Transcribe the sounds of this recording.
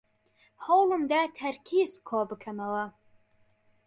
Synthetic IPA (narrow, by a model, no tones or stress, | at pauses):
howlˠɨmd̪æːt̪ʰɐɾkʰiːzkʰoːbɨkʰɐmɐwɐ